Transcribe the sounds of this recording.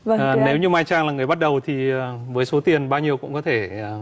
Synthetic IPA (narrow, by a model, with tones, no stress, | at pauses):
və˧˨˩ne˨˦wɲɨ˧maː˧jt͡ɕaː˧ŋlaː˨˩ŋɨ˨˩əjɓt̚ɗə˨˩wt̪ʰi˨˩ə˨˩vəː˨˦jso˨˦t̪i˨˩ənɓaː˧wɲi˧əwkʊ̰˧˥ŋ͡mkɔ˨˦t̪ʰe˧˩˨